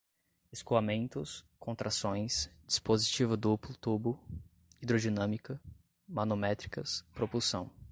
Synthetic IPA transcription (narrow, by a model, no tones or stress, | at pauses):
eskuamẽnt̪ʊskõnt̪ɾʔasõj̃sd͡ʒispozit͡ʃivʊd̪uplʊt̪ubʊ | id̪ɾod͡ʒinɐ̃mikɐ | manomɛt̪ɾi̥kɐspɾopulsɐ̰̃w̃